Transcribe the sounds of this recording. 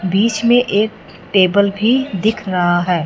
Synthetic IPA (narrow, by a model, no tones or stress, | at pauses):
biːt͡ʃmẽʔeːk̚ | ʈeːbəlbʱid̪ɪkʰɾɐɦaɦɛː